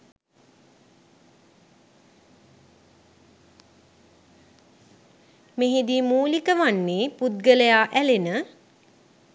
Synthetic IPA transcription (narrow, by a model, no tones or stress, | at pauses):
meɦed̪imuːlikəʋanːeːpud̪ɡələjaːʔælenə